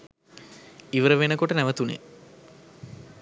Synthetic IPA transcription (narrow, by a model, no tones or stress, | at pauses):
iʋəɾəʋenəkoʈənæʋət̪unḛ